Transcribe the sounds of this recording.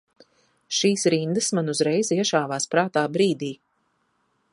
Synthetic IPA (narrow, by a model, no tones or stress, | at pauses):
ʃiːsɾind̪ɐsmanuzɾɛjziɛʃaːvaːspɾaːt̪aːbɾiːd̪iː